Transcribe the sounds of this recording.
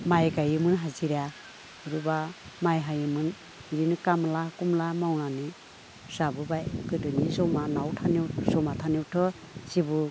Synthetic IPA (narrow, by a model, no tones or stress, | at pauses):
majɡajɯmɯnɦaziɾa | ɯɾuba | majɦajɯmɯn | ɾinkamlakumlamawnani | sabɯbajkɯdɯnizɔmanawtʰaniwsɔmatʰaniwtʰɔ | sibu